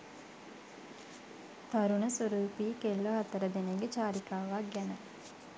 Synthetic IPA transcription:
t̪aɾunəsuɾuːpiːkelːoɦat̪əɾəd̪eneɡet͡ʃaːɾikaːʋaɡænə

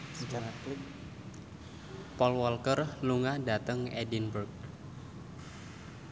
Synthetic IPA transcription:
t͡ʃaakl | pɔlwɔlkərluŋahda̤t̪əŋedinburk̚

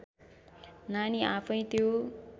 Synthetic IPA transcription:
naniapʰʌj̃t̪jo

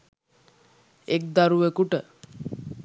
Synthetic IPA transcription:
ekd̪aɾuʋekuʈə

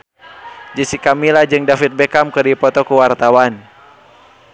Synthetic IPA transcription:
d͡ʒəsikamilad͡ʒɨŋdafit̪̚bekamkɨrdipɔt̪ɔkuwart̪awan

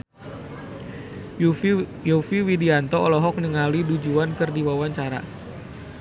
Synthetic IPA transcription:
jofiwidiant̪ɔːlɔɦɔk̚nəŋalidud͡ʒuankɨrdiwawaɲt͡ʃaɾa̰

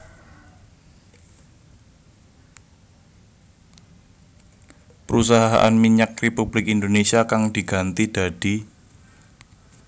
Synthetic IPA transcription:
pəɾus̬aɦaɦa̰ʔanmiɲak̚republɪkind̪onesiakaŋd̥iɡ̥a̤nt̪id̥a̤d̥i

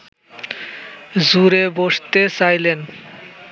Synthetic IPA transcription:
zuɾeboʃt̪esajlen

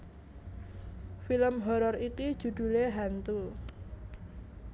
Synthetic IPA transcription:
filəmɦɔɾɔrikid̥ʒ̥ṳd̪̥ṳleɦant̪u

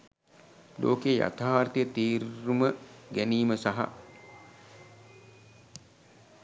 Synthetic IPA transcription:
lʔo̰ːkeja̰t̪aːɾt̪ijət̪iːɾuməɡæniːməsaɦa̰

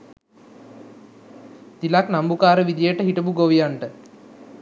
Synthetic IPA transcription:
t̪ilaknambukaːɾəʋid̪ijəʈəɦiʈəbuɡoʋijaɳʈə

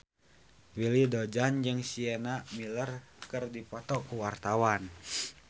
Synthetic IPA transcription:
wilidɔd͡ʒand͡ʒɨŋsiɛnamilərkɨrdipɔt̪ɔkuwart̪awan

